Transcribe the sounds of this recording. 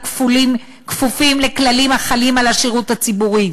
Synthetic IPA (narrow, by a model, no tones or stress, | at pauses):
kfulim | kfufimle̞klalimaχalimalaʃiʁuthat͡sibuʁi